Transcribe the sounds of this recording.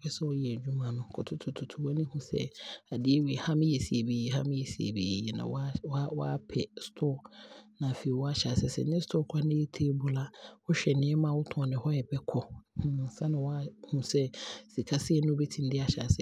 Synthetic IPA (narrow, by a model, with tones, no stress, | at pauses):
pɛ˦sɛ˦wɔ˦jɛ˨e˨d͡ʑᶣu˦mã˨nʊ̃˨kʰɔ˨tʰʊ˦tʰʊ˨tʰʊ˨tʰu˨wa˦nĩ˦hũ˦sɛ̰˦a˨dɪ˦e˦wi˨hã˦m˦jɛ˨si˨e˨be˨jɛ˨hã̰˦m˦jɛ˨si˨ḛ˨bḛ˨jɛ˨nã̰˨wwa˦pʰɛ˨stʰɔː˦˨nã˨fe˨i˨wɔ˦a˦ɕa˨sɛ˨sɛ̰˨nɪ̃˦stʰɔː˦kʰa˦nɪ̃˦e˦tʰe˦bʊ˨la˦hɔ˦ɕᶣɛ˨nɪ̃˦ɛ˦mã˦˨wʊ˦tʰɔ̃˨nɪ̃˨hɔ˦jɛ˨bɛ˦kʰɔ˦hsã˦nɪ̃˨wa˦hũ˨sɛ˦si˨kʰa˦sɪ˦ɛ˦nʊ̃˦be˦tʰĩ˦n˦dɪ˦a˨ɕa̰˨sɛ˦